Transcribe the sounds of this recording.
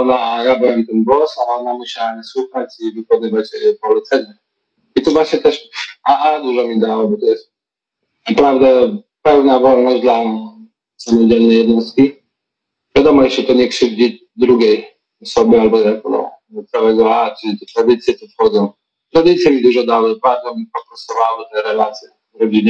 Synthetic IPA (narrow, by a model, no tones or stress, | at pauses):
ɔnaʔajabɛamit̪ɛnbwɔsalɔnamuɕawaɲɛswuxat͡ɕivɨkɔnɘvat͡ɕpɔlɛt̪sɛɲɛ | it̪ɔvwaɕɲɛt̪ɛʂaʔad̪uʐɔmʲid̪awɔbɔt̪ɔjɛst̪̚ | napɾavd̪ɛ | pɛvnavɔlnɔʑd̪la | samɔd͡ʑɛlnɛjɛd̪nɔst̪kʲi | vʲjad̪ɔmɔjɛt͡ʂɛt̪ɔɲɛkʂɘvd͡ʑi | d̪ɾuɡʲej | ɔsɔbɘalbɔjakɔd̪ɔ̰ | t̪sawɛɡɔlat͡ʃɘlʲit̪ɛt̪ɾad̪ɘt̪sʲjɛt̪ɔfxɔd̪zɔ̃w̃ | t̪ɾad̪ɘt̪sʲjɛmʲid̪uʐɔd̪awɛpad̪ɔmipɔpɾɔsɔvawɪt̪ɛɾɛlat̪sʲjɛ | vɾɔd͡ʑiɲɛ